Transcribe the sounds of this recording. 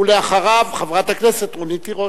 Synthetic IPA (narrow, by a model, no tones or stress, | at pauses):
uleaχaʁavχavʁat̪akneset̪ʁonitiʁo